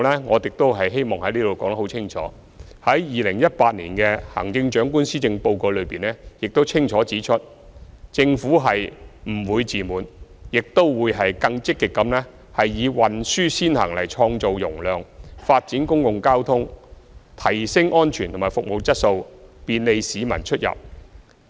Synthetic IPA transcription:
lɛː˥ŋɔː˨˧tɪ˨k̚t̪o˥wɦɐ˨jɦe˥jmɔː˨ŋhɐ˨˥jliː˥d̪o˨˧wkɔː˨˥ŋt̪ɐ˥o˨˧˥wt͡sʰɪ˥ŋt͡ʃʰɔ̰ː˨˥ | hɐ˨˥jjiː˨lɪ˨˩ŋjɐ˥t̚paː˧t̚nḭː˨˩nkɛ˧hɐ̰˨˩ŋt͡sɪ˧ŋt͡ʃœː˨˥ŋkuː˥nsiː˥t͡sɪ˧ŋpo˧wko˧wlɵ˨˧ɥpiː˨nɛː˥jɪ˨k̚t̪o˥wt͡sʰɪ˥ŋt͡ʃʰɔː˨˥t͡siː˨˥t͡ʃʰɵ˥t̚ | t͡sɪ˧ŋfuː˨˥ɦɐ˨jm̩˨˩wuː˨˧jt͡siː˨muː˨˧njɪ˨k̚t̪o˥wwuː˨˧jɦɐ˨jkɐ˧ŋt͡sɪ˥kːɪ˨kːɐ˨˥mnɛː˥ | hɐ˨jːiː˨˧wɐ˨nsyː˥siː˥nhɐ̰˨˩ŋlɐ˨˩jt͡ʃʰɔː˧ŋt͡so˨wjʊ˨˩ŋlœː˨ŋfaː˧t̚t͡siː˨˥nkʊ˥ŋkʊ˨ŋkaː˥wt̪ʰʊ˥ŋt̪ʰɐ˨˩jsɪ˥ŋʔɔː˥nt͡ʃʰyː˨˩nt̪ʰʊ˨˩maː˨˩jfʊ˨k̚mo˨wt͡sɐ˥t̚so˧wpiː˨nle˧jsiː˨˥mɐ˨˩nt͡ʃʰɵ˥t̚jɐ̰˨p̚

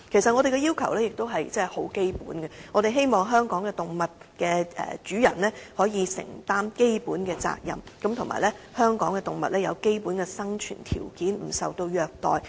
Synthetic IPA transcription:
kʰe˨˩js̬ɐ˨t̚ŋɔ˨˧d̪e˨jkɛ˧jiː˥wkʰɐ̰˨˩wlɛː˥jɪ˨k̚t̪o˥wɦɐ˨jt͡sɛː˥ho˨˥wke˥jpṵː˨˥nɡɛ˧ŋɔː˨˧ɾe˨jɦe˥jmɔː˨ŋɦœː˥ŋkɔː˨˥ŋkɛː˧t̪ʊ˨ŋmɐ˨t̚kɛː˧ɛ̰ː˨˩t͡ʃyː˨˥jɐ̰˨˩nlɛː˥hɔː˨˥jiː˨˧sɪ̰˨˩ŋt̪aː˥mke˥jpuː˨˥nkɛː˧t͡sa̰ː˧k̚jɐ̰˨mkɐ˨˥mt̪ʰʊ˨˩ŋma̰ː˨˩jlɛ˥hœː˥ŋkɔː˨˥ŋkɛ˧t̪ʊ˨ŋmɐ̰˨t̚lɛː˥jɐ̰˨˧wke˥jpu˨˥nkɛː˧sɐ˥ŋt͡ʃʰy̰ː˨˩nt̪ʰḭː˨˩wkiː˨˥nm̩˨˩sɐ˨wt̪o˧wjœː˨˧k̚t̪ɔ̰ː˨j

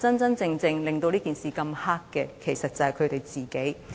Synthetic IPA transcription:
t͡sɐ˥nt͡sɐ˥nt͡sɪ˧ŋt͡sɪ˧ŋlɪ˨ŋt̪o˧wliː˥kiː˨nsiː˨kɐ˧mhaː˥kːɛː˧kʰe˨˩jsɐ˨t̚t͡sɐ˨hjkʰɵ˨˧ɥt̪e˨jt͡siː˨˩ke˨˥j

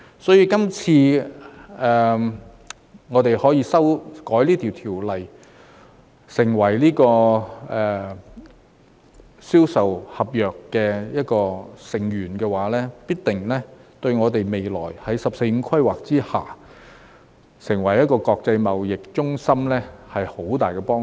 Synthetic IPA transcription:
sɔː˨˥jiː˧˥kɐ˥mt͡sʰiː˧ | ɛː˨ | ŋɔː˨˧t̪e˨jhɔː˨˥jiː˧sɐ˥wkɔː˨˥jliː˥t̪ʰiː˨˩wt̪ʰiː˨˩wlɐ˨j | sɪ˨˩ŋwɐ˨˩jliː˥kɔː˧ɛː˨ | siː˥wsɐ˨whɐ˨p̚jœː˨kːɛː˧jɐ˥t̚kɔː˧sɪ˨˩ŋjyː˨˩nkɛ˧waː˨˥lɛː˥piː˥t̚t̪ɪ˨ŋlɛː˥t̪ɵ˧ɥŋɔː˨˧t̪e˨jme˨jlɔ̰ː˨˩jhɐ˨˥jsɐ˨p̚se˧jm̩˨˧˥kʰɐ˥jwaː˨˩k̚t͡siː˥ha̰ː˨ | sɪ˨˩ŋwɐ˨˩jɐ˥t̚kɔː˧kɔː˧k̚t͡sɐ˧jmɐ˨wjɪ˨k̚t͡ʃʊ˥ŋsɐ˥mlɛː˥hɐ˨jho˨˥wt̪aː˨˩jkɛ˧pɔː˥

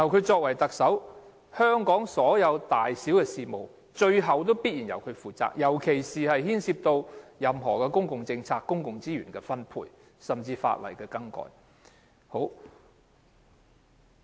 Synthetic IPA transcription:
t̪ɐ˨wkʰɵ˨˧t͡sɔː˧k̚wɐ˨˩jt̪ɐ˨k̚sɐ˨˥w | hœː˥ŋkɔː˨˥ŋsɔː˨˥jɐ˨˧wt̪aː˨jsiː˨˥wkɛː˧siː˨mo˨w | t͡ʃɵ˧ɥɦɐ˨wt̪̬o˥wpiː˥t̚jiː˨˩njɐ˨˩wkʰɵ˨˧ɥfuː˨t͡sa̰ː˧k̚jɐ˨˩wkʰe˨˩jsiː˨hɐ˨jhiː˥nsiː˧p̚t̪o˧wjɐ˨mɦɔː˨˩kɛː˧kʊ˥ŋkʊ˨ŋt͡sɪ˧ŋt͡sʰaː˧kːʊ˥ŋkʊ˨ŋt͡siː˥jyː˨˩nkɛː˧fɐ˥npʰṵː˧j | sɐ˨mt͡siː˧fa̰ː˧t̚wɐ̰˨˩jkɛː˧kɐ˥ŋkɔ̰ː˧j | ho˨˥w

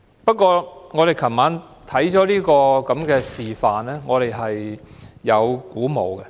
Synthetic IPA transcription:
pɐ˥t̚kɔː˧ŋɔː˨˧ɾe˨jkʰɐ˨˩maː˨˧nt̪ʰɐ˨˥jt͡ʃɔː˨˥liː˥kɔː˧kɐ˨˥mkɛː˧siː˨˩faː˨nlɛː˥ŋɔː˨˧ɾe˨jɦɐ˨jː | ɐ˨˧wkuː˨˥mo˨˧wkɛ˧

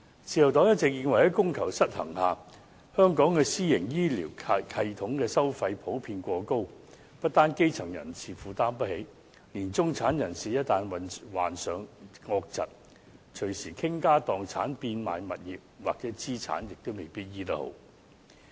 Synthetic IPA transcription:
t͡sʰiː˨˧jɐ˨˩wt̪ɔː˨˥ŋjɐ˥t̚t͡sɛ˨˧k̚jiː˧nwɐ˨˩jhɛ˨˥kʊ˥ŋkʰɐ˨˩wsɐ˥t̚hɐ̰˨˩ŋhaː˨ | hœː˥ŋkɔː˨˥ŋkɛː˧siː˥jɪ˨˩ŋjiː˥liː˨˩wʰkʰɐ˧jt̪ʰʊ˨˥ŋkɛː˧sɐ˥wfɐ˧jpʰo˨˥wpʰiː˧nkʷɔː˧ko˥w | pɐ˥t̚t̪aː˥nke˥jt͡sʰɐ˨˩ŋjɐ̰˨˩nt͡sʰiː˨fuː˨t̪aː˥mpɐ˥t̚he˨˥j | liː˨˩nt͡sʊ˥ŋt͡sʰaː˨˥njɐ˨˩nsiː˨jɐ˥t̚t̪aː˧nwɐ˨wa̰ː˨˩nsœː˨ŋŋɔː˧k̚t͡sɐ̰˨t̚ | t͡ʃʰɵ˨˩ɥsiː˨˩kʰɪ˥ŋkaː˥t̪ɔː˨ŋt͡sʰa̰ː˨˥npiː˧nma̰ː˨jmɐ̰˨t̚jiː˨p̚waː˨k̚t͡sɛː˨˦˥t͡siː˥t͡sʰa̰ː˨˥njɪ˨k̚t̪o˥wme˨˩jpiː˥t̚jiː˥t̪ɐ˥k̚ho̰˨˥w

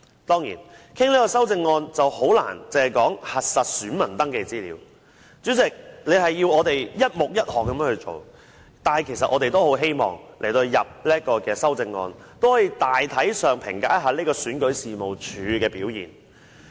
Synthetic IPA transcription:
t̪ɔː˥ŋjḭː˨˩nkʰɪ˥ŋliː˥kɔː˧sɐ˥wt͡sɪ˧ŋːɔː˧nt͡sɐ˨who˨˥wla̰ː˨˩nt͡sɪ˨˧hɐ˨˩jkɔː˨˥ŋhɐ˨t̚sɐ˨t̚syː˨˥nmɐ˨˩nt̪ɐ˥ŋkɛː˧t͡siː˥lḭː˨˧˥w | t͡ʃyː˨˥t͡sɪ˨k̚le˨˧ɦɐ˨jːiː˧wɔː˨˧t̪e˨jjɐ˥t̚mʊ˨k̚jɐ˥t̚hɔː˨kːɐ˨˦mː˥hɵ˧t͡ʃo̰˨w | t̪aː˨nhɐ˨jkʰe˨˩js̬ɐ˨t̚ʔɔː˨˧t̪e˨jt̪o˥who˨˥wɦe˥jmɔ̰ː˨˩ŋlʔe˨˩t̪o˧jɐ˨p̚liː˥ɐ˥t̚kɔː˧kɛː˧sɐ˥wt͡sɪ˧ŋːɔ̰ː˧nt̪o˥whɔː˨˥jiː˧˩t̪aː˨jt̪ʰɐ˨˥jsœː˨ŋpʰɪ̰˨˩ŋka̰ː˨˥ɦaː˨˧liː˥kɔː˧syː˨˥nkɵ˨˥ɥsiː˨mo˨wt͡ʃʰyː˨˧kɛː˧piː˨˥wjḭː˨˩n

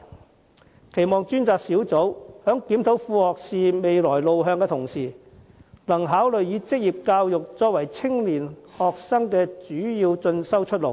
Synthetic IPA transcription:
kʰe˨˩jmɔː˨˩ŋt͡ʃyː˥nt͡saː˨k̚siː˨˥wt͡so˨˥whœː˨˥ŋkiː˨˥mt̪ʰo˨˥wfuː˧hɔː˨k̚siː˨me˨jlɔː˨˩jlo˨wɦœː˧ŋkɛː˧t̪ʰʊ˨˩ŋsiː˨˩ | lɐ˨˩ŋɦaː˨˥wlɵ˨ɥjiː˨˧t͡sɪ˥k̚jiː˨p̚kaː˧wjʊ˨k̚t͡sɔː˧k̚wɐ˨˩jt͡sʰɪ˥ŋliː˨˩nhɔː˨k̚sɐ˥ŋkɛː˧t͡ʃyː˨˥jiː˧wt͡sɵ˧nsɐ˥wt͡ʃʰɵ˥t̚lo˨˩w

